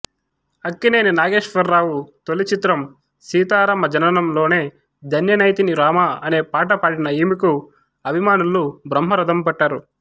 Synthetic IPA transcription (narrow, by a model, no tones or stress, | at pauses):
ɐkːine̞ːninaːɡe̞ːʂʋɐɾːaːwut̪o̞lit͡ʃit̪ɾɐm | siːt̪aːɾɐmɐd͡ʒɐnɐnɐmlo̞ːne̞ː | d̪ʱɐnjɐnɐjt̪iniɾaːmaɐne̞ːpaːʈ̬ɐpɐːɽinɐiːmiku | ɐbʱimaːnulːubɾɐmɦɐɾɐd̪ɐmpɐʈːaːɾu